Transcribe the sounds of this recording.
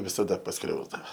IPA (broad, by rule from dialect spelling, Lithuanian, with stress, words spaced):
ʋʲɪsɐˈdɐ pɐsˈkrʲɛʊzdɐʋɐ